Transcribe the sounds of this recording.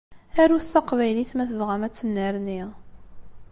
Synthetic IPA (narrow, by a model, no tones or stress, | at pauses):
æɾust̪ɑqvæjliθmæθəvʁæmæt͡sːənːəɾniʁ